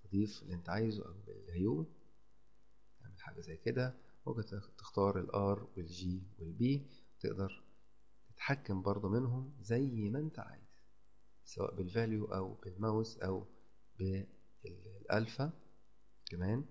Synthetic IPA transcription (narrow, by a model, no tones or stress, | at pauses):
t̪ɑd̪ˤiːfelːiʔent̪æʕaːjzuʔæ̰wbḛlhæjuːm | t̪aʕmelħa̰ɡæzæjːked̪æ | wæk̪t̪e̥xt̪ɑːɾˤelʔɑːɾˤwelʒiːwelbiː | wet̪ḛʔd̪ɑɾˤ | t̪et̪ħakːæmbɑɾˤd̪ˤomenɦomzæjmæʔent̪æʕa̰ːjez̥ | sæwæ̰ːʔbelvæːljuʔæ̰wb̥elmæwsʔæw | be | lː | ʔæ̰lfæ | kæmæːn